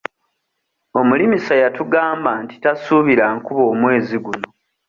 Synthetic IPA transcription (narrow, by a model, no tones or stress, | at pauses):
o̞mulimisajatuɡaːmbaːnti̥tasuβiɾaŋkuβo̞ːmwe̞ːziɡuno̞